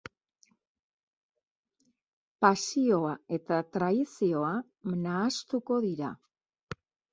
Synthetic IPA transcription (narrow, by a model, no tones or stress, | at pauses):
pasio̞ae̞t̪at̪ɾaisio̞a | naːst̪uko̞ðiɾa